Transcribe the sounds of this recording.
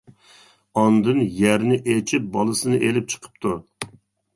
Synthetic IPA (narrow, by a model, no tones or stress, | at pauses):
ɑnd̪ɨnjæɾnɪʔet͡ʃʰip̚bɑlˠɨsɨnɨʔelɪp̚t͡ʃʰə̥qʰə̥p̚t̪ʰu